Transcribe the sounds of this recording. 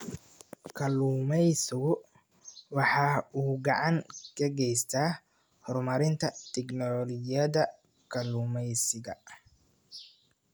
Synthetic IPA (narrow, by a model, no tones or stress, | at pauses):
kʰɐluːmɛjsɪɣʊ | wɑħɑːuːɡɑʕɑŋkʰɐɡɛjst̪ʰaː | hɔrmɐɾɪnt̪ʰɐt̪ʰɛɡnɔlɔlɪjɐðɐ | kʰɐluːmɛjsɪɣɐ